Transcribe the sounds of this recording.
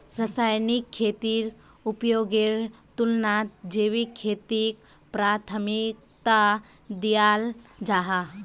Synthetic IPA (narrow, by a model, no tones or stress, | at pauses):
ɾəsaːjnikʰːeːt̪iɾ | upjoːɡeɾt̪ulnat̪d͡ʒeːʋikʰːeːt̪ik | pɾaːt̪ʰəmik̚ | t̪a | d̪ijaːld͡ʒaːɦa